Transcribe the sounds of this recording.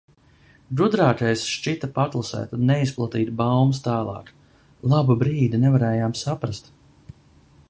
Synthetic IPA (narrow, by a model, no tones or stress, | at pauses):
ɡɾud̪ɾaːt̪ʲɛjsʃt͡ʃit̪apat̪lˠasɛ̰ːt̪unnɛisplˠat̪iːt̪bawmst̪aːlˠɑ̰ːk | lˠabubɾiːd̪inɛvaɾɛːjaːmsapɾast̪